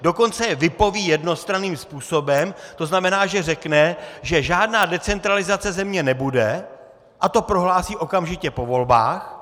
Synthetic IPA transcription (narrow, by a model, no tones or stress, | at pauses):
do̞ko̞nt͡sɛvɪpo̞viːjɛdno̞st̪ɾaniːmspuːso̞bɛmt̪o̞znamɛnaːʒɛrɛknɛʒɛʒaːdnaːdɛt͡sɛnt̪ɾalɪzat͡sɛzɛmɲɛnɛbudɛ | ʔat̪o̞pɾo̞ɦlaːsiːʔo̞kamʒɪcɛpo̞vo̞lba̰ːx